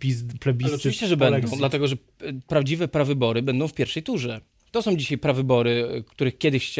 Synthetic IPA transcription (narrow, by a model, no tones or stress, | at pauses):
pʲizplɛbʲiɔt͡ʃɨiɕt͡ɕɛʐɛbɛnd̪ɔ̃d̪lat̪ɛɡɔʐɛ | pɾavd͡ʑivɛpɾavɘbɔɾɘbɛnd̪ɔ̃w̃fpʲjɛɾfʂɛjt̪uʐɛ | t̪ɔsɔ̃w̃d͡ʑiɕajpɾavɘbɔɾɘkt̪uɾɘxkʲjɛd̪ɘxt͡ɕ